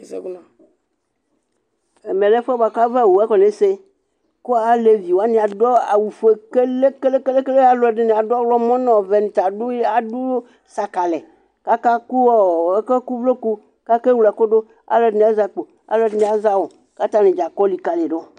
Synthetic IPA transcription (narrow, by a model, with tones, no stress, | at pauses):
sɛ̰˦ɡu˦nã˨ | e˨mẽ˨lɛ̃˦ɸɛ˦ba˨ka˦vɛ˦˨wo˨ɛ˦kɔ˨nẽ˨se˦ | ko˦a˨le˨vi˨wo˨a˦nĩ˨a˨dɔ˦a̰˨wu˨fe˦ke˦le˦ke˦le˦ke˦le˦ke˦le˦a˨lɔ˨ɛ˨ɖe˦nĩ˨a˨do˦ɔ˦wlɔ˦mɔ̃˦nɔ̃˨vɛ˨nĩ˨t̪a˨ɖu˦je˦a˨ɖu˦ | sa˨ka˨lɛ˨ | ka˦ka˦ku˦wɔ˨e˦ke˦ku˦vlo˦ku˦ | ka˦ke˦wu˦la˨ko˦do˦ | a̰˨le˨nĩ˨a˦za˨k͡po˨ | a̰˦lo˨˦dnĩ˨a˦za˦wo˨ | ka˦t̪a˦nĩ˨d͡ʒa˨kɔ˦li˨ka˨le˨ɖo˦˨